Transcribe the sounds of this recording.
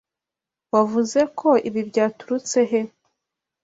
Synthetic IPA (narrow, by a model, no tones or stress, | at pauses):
wavuze̞kʰo̞ʔiβibjɟaːtuɾut͡se̞ɦe̞